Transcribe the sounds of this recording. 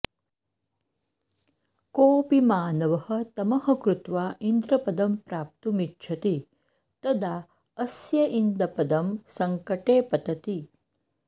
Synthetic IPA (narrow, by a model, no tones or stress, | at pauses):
koːpimaːnɐʋɐhɐ̆t̪ɐmɐɦɐkɾut̪ʋaːʔind̪ɾɐpɐd̪ɐmpɾaːp̚t̪umitːt͡ʃʰɐt̪i | t̪ɐd̪aː | ɐsjɐʔind̪ɐpɐd̪ɐmsɐŋkɐʈeːpɐt̪ɐt̪i